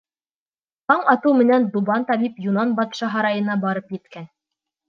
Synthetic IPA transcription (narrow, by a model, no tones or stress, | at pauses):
h̪ɑɴɑt̪ɤwmɘ̆nænd̪ubɑnt̪ɑbipjunɑnbɑt̪ʃɑɦɑɾɑjɤ̆nɑbɑɾɤpjɘ̆t̪kæn